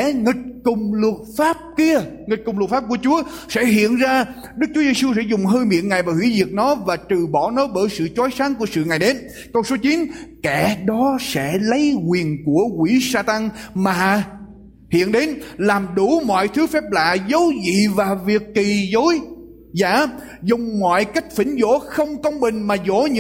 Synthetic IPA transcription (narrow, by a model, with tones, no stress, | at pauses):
ɛ˧˩ŋi˨˩t̚kʊ˨˩ŋ͡mlə˨˩t̚faː˦˥p̚ki˧əŋi˨˩t̚kʊ˨˩ŋ͡mlt̚faː˦˥p̚ku˧˩ət͡ɕu˨˦əsɛ̰˧˥ɦḭ˧˨ənzaː˧ | ɗɨ˦˥k̚t͡ɕu˨˦ze˧su˧sɛ̰˧˥zʊ˨˩ŋ͡mɦəː˧jmḭ˧˨ənŋa˨˩jvaː˨˩hwḭ˧˩˥zi˨˩ək̚nɔ˨˦vaː˨˩t̪ɨ˨˩ɓɔ˧˩nɔ˨˦ɓəː˧˩jsɨ̰˧˨t͡ɕɔ˨˦jsa˨˦ŋku˧˩əsɨ̰˧˨ŋa˨˩jɗe˨˦n | kə˧wso˨˦t͡ɕi˨˦nkɛ˧˩ɗɔ˨˦sɛ̰˧˥lə˨˦jɣwi˨˩ənku˧˩əkwi˧˩saː˧t̪a˧ŋmaː˨˩ | hḭ˧˨ənɗe˨˦nlaː˨˩mɗu˧˩mɔ̰˧˨jt̪ʰɨ˨˦fɛ˦˥p̚la̰ː˧˨zə˨˦wzḭ˧˨vaː˨˩vi˨˩əkːi˨˩zo˨˦j | za̰ː˧˥˨ | zʊ˨˩ŋ͡mmɔ̰˧˨jka˦˥jk̟̚fï˧˩˦ŋ̟zo̰˧˥xə˧wŋ͡mkə˧wŋ͡mɓï˨˩ŋ̟maː˨˩zo̰˧˥ɲ˧